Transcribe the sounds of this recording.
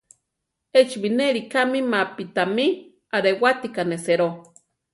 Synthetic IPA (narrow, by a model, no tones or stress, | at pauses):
et͡ʃβineɾikamimapit̪ami | aɾewat̪ikaneseɾo